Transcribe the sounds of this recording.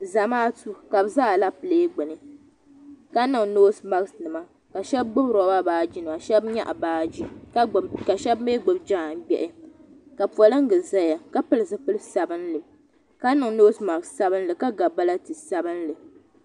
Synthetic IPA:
za˨maː˦tu˦ka˨bɨ˦zaː˦˨la˦pɨ˨leː˦ɡ͡bɨ˨nɨ˨ | ka˦nɨ˨ŋnoː˦sma˨ksnɨ˨ma˦ | ka˨ʃɛ˦b̚ɡ͡bʊ˦bɾa˨ba˦baː˦d͡ʒi˦n˨a˨ʃɛ˦bɲa̰˦ʔa̰˨baː˦d͡ʒi˦kka˨ʃɛ˦bme˦ɡ͡bʊ˨bd͡ʒa˦˨nbɛ˨ʔɪ˦ka˨pɔ˨lɨ˦ŋ̩˦ɡɨ˨za˦ja˨ka˦pɨ˦lɨ˨sɨ˦pɨ˦lɨ˦sa˨bɨ˦nlɨ˨ | ka˦nɨ˨ŋnoː˦sma˨ɡssa˦bɨ˦n˦lɨ˨ka˦ɡa˨ba˦la˦tɨ˨sa˦bɨ˦nlɨ˨

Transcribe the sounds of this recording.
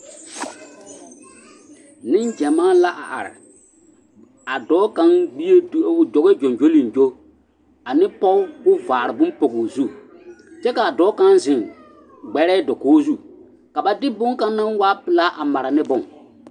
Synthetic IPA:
nɪ̃˦nd͡ʒɛ˨maː˦la˦ʔa̰˨ʔa̰˨ɾɪ̰˨ | a˨dɔː˨˦ka˦ŋɡ͡bi˦e˦dd͡ʒɔ˨ɡe˦d͡ʒo˨nd͡ʒo˦li˨nd͡ʒo˦ | a˨nɪ˦pɔ˦wʊ˦vaː˨ɾɪ˨bʊ̃˦mpo˨ɡuː˨zu˦˨ | t͡ʃɛ˦ka˨a˨dɔː˨˦ka˦nzɪ˨ŋ | ɡ͡bɛ˨ɾɛ˦dɔ˨koː˦zu˦˨ | ka˨ba˨dɪ˦bʊ˦ŋkã˦nː˦ã˦nwaː˦pɪ˨la˦ʔa˨ma˨ɾa˨nɪ˦bʊ̃˦˨ŋ

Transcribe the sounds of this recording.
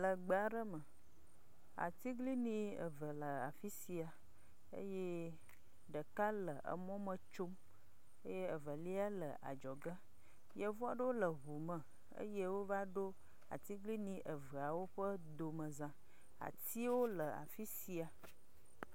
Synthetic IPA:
lə˨ɡ͡ba˨ɖə˦mə̃˨ | a̰˨t̪i˦ɡli˦nĩ˦ə̰˨və˨lə˨a˨fi˦si˨a˨ | ə̰˦je˦ | ɖə˨ka˦lə˨ʔə̰˨mɔ̃˦mə̃˨t͡ʃo˦m | ə˦je˦ə˨və˨li˦a˦lə˨ʔa̰˨d͡ʒɔ˨ɡə˦ | jə˨vɔ˦a˨ɖə˦wo˦lə˨ɦu˨mə̃˨ | ə̰˦je˦wo˦va˦ɖo˦ | a̰˨t̪i˦ɡli˦nĩ˦ʔə˨və˨a˨wo˦ɸə˦d̪o˨mə̃˨zã˨ | a̰˨t̪i˦wo˦lə˨a̰˨fi˦si˨a˨

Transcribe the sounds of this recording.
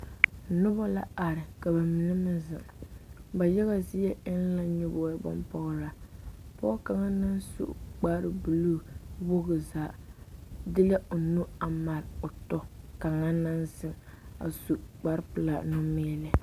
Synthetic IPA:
nʊ˦ba˦la̰˦a˨ɾɪ˨ka˨ba˨mi˨nɛ˦mɪ˦nzɪ˨ŋba˨jɛ˦ɣa˦zɪ˦jɛ˦ʔɪ˦n˦la˦ɲʊ˦bo˨jɛ˦bɔ̰˦mpɔ˦ɣɾa˨pɔ˦ka˨ŋa˦na˦n˦sṵ˦ʔk͡paː˦ɾɪ˨bu˨lu˦˨bo˦ɣɨ˨zaː˨ | dɪ˦la˦ʊ˨nu˦a˨ma˨ɾʊ˨tɔ˦ka˨ŋa˦na˦nzɪ˦ŋa̰˨su˨ʔk͡pa˦ɾpɨ˨la˨nʊ˦mɪ˦ɛ˨lɪ˦

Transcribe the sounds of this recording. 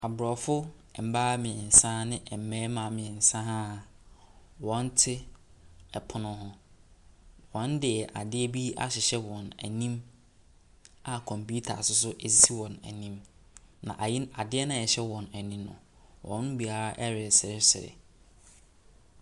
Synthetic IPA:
a˨bʊ˨ɾɔ˨fʊ˦˨m̩˨baː˦mɪ̃˨ɛ˨n̩˨sã˦nɪ̃˦ʔɛ˨m̩˨mɛ˦mã˨mɪ̃˨ɛ̃˨sã˦ɦã˦˨ | wɔ̃˨n˦tʰɪ˦ | ɛ˨pʰʊ˨nʊ̃˨ɦʊ̃˨ | wɔ̃˨˦n˦dɪ˨ɛ˨ʔa̰˨dɪ˦ɛ˦bi˦a̰˦ɕɪ˨ɕɛ˦wɔ̃˨næ̰˨nĩ˦m | a˨kʰɔ̃˨mpu˦tʰa̰˨sʊ˦s̬ʊ˦ʔe˨si˦si˦wɔ̃˨næ̰˨nĩ˦mnã̰˨ʔa˨jɪ˦a˨dɪ˦ɛ˦nã˦˨ɛ˨ɕɛ˦wɔ̃˨næ˨nĩ˦mnʊ̰̃˨ | wʔɔ̰̃˨˦n˦ɡ͡bi˨a˨˦ʔɛ˦ɾɪ˨sɪ˨ɾɪ˦sɪ˨ɾɪ̰˨

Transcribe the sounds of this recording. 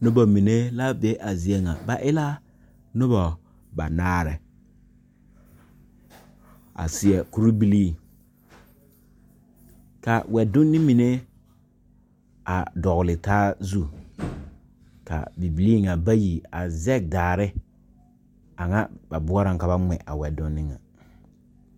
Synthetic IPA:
nʊ˦bɔ˨mi˨ne˦la˦be˦ʔa˨zi˨e˦ŋa˨ba˨ʔɪ˦la˦ | nʊ˦bɔ˨ | ba˨naː˦ɾɛ˨ | a̰˨sɪ˨ɛ˨ku˦ɾi˦bi˦li˦˨ | ka˨wɛ˨dʊ˦nːɪ˦mi˨ne˦ | a̰˨dɔ˨ɣʊ˨lɪ˨taː˦zu˦ | ka̰˨bi˨bi˨liː˦ŋa˨ba˦ji˨a˨zɛ˦˨k̚daː˨ɾɪ˦ | a˨ŋa̰˦ba˨bʊ˦ɔ˦ɾa˨ŋka˨βa˦ŋ͡mɛ̰˨ʔa˨wɛ˨dʊ˦nːɪ˦ŋa̰˨

